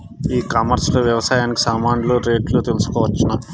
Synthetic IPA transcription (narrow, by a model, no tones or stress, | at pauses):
iːkaːmɐɾsɐlɐʋjɐʋɐsaːjaːniki̥saːmaːɳɖloːɾe̞ːʈloːt̪elusu̥kɔːʋɐt͡ʃːɐnɐ